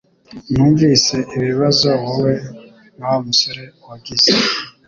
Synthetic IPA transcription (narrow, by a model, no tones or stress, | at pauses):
nuːɱviːse̞iβiβazowuwe̞ | nawomusoɾe̞waɡize